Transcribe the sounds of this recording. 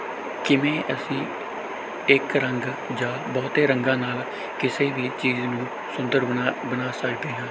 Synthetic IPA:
kɪmẽːʔəsĩː | ɪkɾəŋɡ | d͡ʒaːbɔːt̪eːɾəŋɡãːnaːl | kɪseːʋiːt͡ʃiːznũː | sʊnd̪əɾbənaːsəkd̪eːɦãː

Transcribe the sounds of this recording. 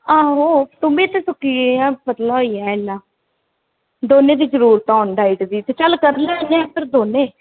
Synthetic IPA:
aːɦoːt̪ʊmẽːt̪eːsʊkːiːeãːpət̪laːɦoːiːɛːenːãː | d̪oːnẽːd̪iːzəɾuːɾt̪ɔːnɖaːiʈd̪iːt̪eːt͡ʃəlkəɾnaːnɛ̃pəɾd̪oːnẽː

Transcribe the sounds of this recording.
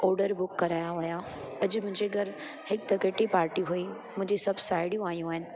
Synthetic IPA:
ɔːɾɖəɾbʊkːɐɾaːjaɦʊja | ɐd͡ʑmʊ̃ɦɪ̃ɲd͡ʑeɡʱɐɾ | hɪk̚t̪ɐkeːʈipaːɾʈiɦui | mʊ̃ɦɪ̃ɲd͡ʑisɐbʱsaːɪɽijũaːɦijũaːɦɪnɪ̆

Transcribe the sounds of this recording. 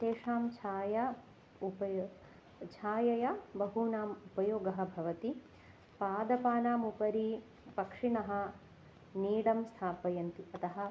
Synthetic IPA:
t̪eːʂaːmt͡ʃʰaːjɐ | upɐ | t͡ʃʰaːjɐjɐbɐɦunaːmupɐjoːɡɐɦɐ̆bʱɐʋɐt̪i | paːd̪ɐpaːnaːmupɐɾi | pɐkʂinɐɦɐ̆ | niːɽɐmst̪ʰaːpɐjɐnt̪iɐt̪ɐɦɐ̆

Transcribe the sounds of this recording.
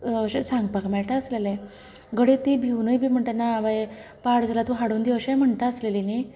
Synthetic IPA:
ɕesãŋɡ̚pakmɛɭʈaəslele | ɡəɽet̪ibʱiwnəjbʱiːm̤əɳʈ̪ənaːʋaje | paɽd͡zalat̪ũɦaɽuːnd̪iʋəɕam̤əɳʈ̪aəslelini

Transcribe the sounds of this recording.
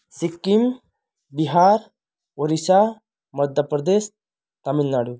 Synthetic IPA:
sikːim | biɦaːɾ | oɾisa | mɐd̪ʱjəpɾɐd̪eːs | t̪ɐminːaːɽu

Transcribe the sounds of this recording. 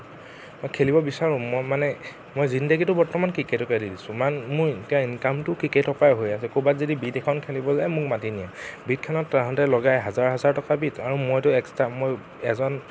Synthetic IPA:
mojkʰelibɔbisaɹʊ̃mojmanɛ | mojzindəɡitʊbɔɹtɔmankɹiketɔkadidisʊ̃manmʊɹetiainkamtʊkɹiketɔpajɦojasɛkobatzodibitɛkʰɔnkʰelibɔzajmʊkmatinija̰bit̚kʰɔnɔtːaɦɔ̃ntɛlɔɡajɦazaɹɦazaɹtɔkabitʰaɹumojtʊɛkstamoj | ɛzɔn

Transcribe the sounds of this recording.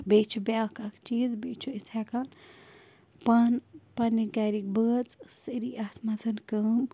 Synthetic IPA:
bet͡ʃʰubjakakt͡ʃiːzbet͡ʃʰuisʰɛkan | pɐnpɐnːiɡaɾik̚bət͡ssɨɾiɐt̪ʰmɐzɨnkəːm

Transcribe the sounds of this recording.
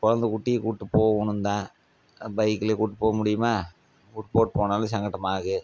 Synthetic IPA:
kɔɻɐnd̪ɯkʊʈːɪjkuːʈːɯpːoːʊnɯnd̪ãː | bɐɪkːɯlekuːʈːɯpːoːɣɐmʊɽɪjɯmaː | kuːʈːɯpoːʈɯpoːnaːlɯ̃sɐŋɡɐʈːɐmaːɣɯ

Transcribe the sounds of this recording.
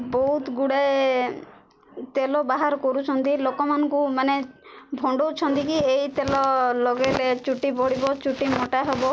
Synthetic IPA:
bɔɦut̪ɡuɽae | t̪elɔbaɦaɾɔkɔɾut͡ʃʰɔnt̪ilokɔmanɔŋkumanebʱɔɳɖowt͡ʃʰɔnt̪ikieit̪elɔlɔɡeɾet͡ʃuʈibɔɽibɔt͡ʃuʈimoʈaɦebɔ

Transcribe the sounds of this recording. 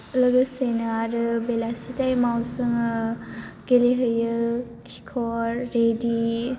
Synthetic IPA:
lɯɡɯsenɯaɾɯbelasitajmawsɯŋ | ɡ̥eleɦɯjɯ | kʰi̥kʰɔɾːedi

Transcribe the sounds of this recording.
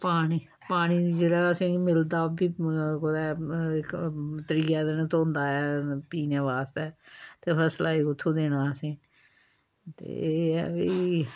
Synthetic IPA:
paːniː | paːñiːd͡ʒeːɽaːəsĩːmɪld̪aːbiːkod̪ɛːɪkt̪əɾiːaːd̪enːt̪oːʊnd̪aːɛːpiːnãːʋaːst̪ɛːt̪eːpʰəslaːɪkʊt̪ʰːõːd̪eːnaːəsĩː | t̪ḛːiː

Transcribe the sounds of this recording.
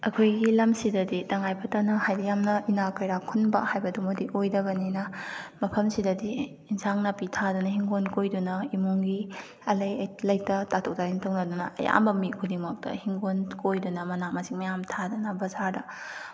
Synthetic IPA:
ɐkʰojɡilɐmsidɐditɐŋajpʰɐtanɐhajdijamnɐinakɐjɾakʰunbɐ̰hajbɐdumudiʔojdɐbɐninɐmɐpʰɐmsidɐdiː | nsaŋnɐpitʰadunɐɦiŋɡonkojdunɐimuŋɡi | ɐlɐjɐjlɐjk̚tɐtatʰok̚taintʰoŋnɐdunɐʔɐ̰ja̰mbɐmikʰudimok̚tɐ̰hiŋɡonkojdunɐmɐnamɐsiŋmɐjamtʰadunɐbɐzaɾdɐ

